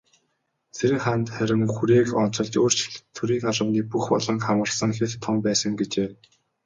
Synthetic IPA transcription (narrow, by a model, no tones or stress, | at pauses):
t͡sʰeɾɘ̆χant̪χæɾʲɪ̆ŋxuɾeːkɔn̥t͡sɞ̆ɮt͡ɕoːr̥t͡ɕʰɪ̥ɮt̪ʰɵɾiːŋaɮə̆wniːpuxpɔ̰ɮɞ̆ŋkχamɢə̆rsə̆ŋxeɮt̪ʰːɔmpæːsə̆ŋɡet͡ɕeː